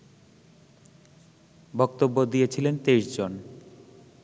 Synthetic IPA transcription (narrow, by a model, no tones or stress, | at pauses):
bɔkt̪obːod̪iet͡ɕʰilent̪eiʃd͡ʑon